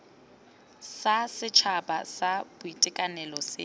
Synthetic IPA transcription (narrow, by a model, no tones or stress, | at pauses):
sasɪt͡ʃʰabʼasab̥ʊitʼɛkʼanɛlɔsɪ